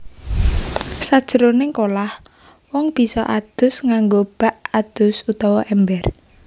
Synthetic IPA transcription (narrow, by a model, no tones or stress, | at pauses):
sad̥ʒ̥əɾonɪŋkolah | wɔŋb̥i̤sɔʔad̪̥ʊ̤sŋaŋɡob̥a̤ʔad̪̥ʊsut̪ɔwɔʔɛmbɛr